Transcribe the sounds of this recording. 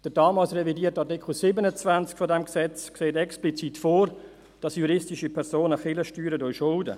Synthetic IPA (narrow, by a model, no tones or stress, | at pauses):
d̥əɾdɑːmɑːlsrɛvidiːtɑtɪkχl̩sibənət͡svant͡skfɔdɛmksɛt͡skseːtɛksplit͡sitfoːr | d̥ɑsjuɾɪstiʃipʰɛɾsoːnəχɪləʃtyːɾədɔjʃʊldə̰